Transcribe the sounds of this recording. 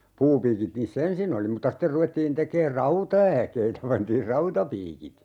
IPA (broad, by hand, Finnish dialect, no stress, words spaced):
puːpiːkit niːsː ensin oli mutːɑ ster ruʋetːiːn tekeːr rɑutɑækeitæ pɑntiːr rɑutɑpiːkit